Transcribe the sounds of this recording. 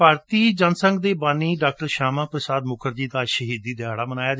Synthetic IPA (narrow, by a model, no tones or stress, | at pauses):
paːɾt̪iːd͡ʒənsəŋɡd̪eːbaːniːɖaːk̚ʈəɾʃaːmãːpɾəsaːd̪mʊkʰəɾd͡ʒiːd̪aːʃəɦiːd̪iːd̪ɪaːɽaːmənaːjaːd͡ʒ